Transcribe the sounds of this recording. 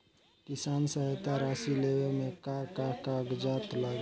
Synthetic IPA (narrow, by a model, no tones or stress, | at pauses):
kisansəɦet̪aɾasilewemekakakaɡd͡ʒat̪laɡ